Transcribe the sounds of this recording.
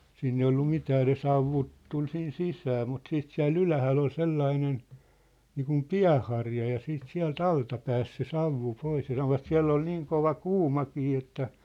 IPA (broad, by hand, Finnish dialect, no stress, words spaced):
siːn ei olːu mitæː ne sɑuʋːut tul sin sisæː mut siːt siæ̝lˑ ylæhælː ol selːɑinen niːkum piæ̝hˑɑrjɑ jɑ siːt siæ̝lt ɑltɑ pæːs se sɑuʋːu pois jɑ sɑnoʋɑt siæ̝lː ol niːŋ koʋɑ kuːmɑkiː etːæ